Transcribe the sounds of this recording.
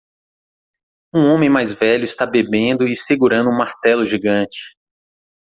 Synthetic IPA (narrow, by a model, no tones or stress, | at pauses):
ũõmẽj̃majzvɛʎʊɪst̪abebẽnd̪ʊɪseɡuɾɐ̃nd̪ʊũmaɾt̪ɛlʊʒiɡɐ̃t͡ʃɪ̥